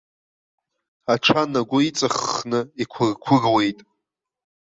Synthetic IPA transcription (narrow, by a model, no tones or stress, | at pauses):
aʈ͡ʂʰanaɡʷʊit͡sʼɨχnɨikʷʰʊrkʷʰʊrwe̞jtʼ